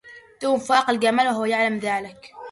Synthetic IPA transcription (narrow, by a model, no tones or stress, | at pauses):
t̪uːmfɑːqɪlɡamalwɦʊwːajaʕlamðaːlɪk